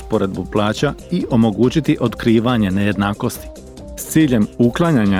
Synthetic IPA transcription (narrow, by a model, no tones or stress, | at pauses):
spoɾe̞d̪̚buplˠaːt͡ɕaiʔo̞mo̞ɡuːt͡ɕit̪iʔo̞t̪kɾiːʋaɲe̞neje̞d̪naːko̞st̪i̥ | st̪siːʎe̞muklˠaɲaɲa